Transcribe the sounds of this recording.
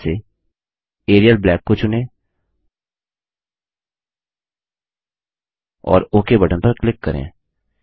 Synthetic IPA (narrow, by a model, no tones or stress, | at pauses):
se | eːɾijəlblɛːkːot͡ʃʊnẽ | ɔ̰ːɾoːkebɐʈənpɐɾklɪkːɐɾḛ̃ː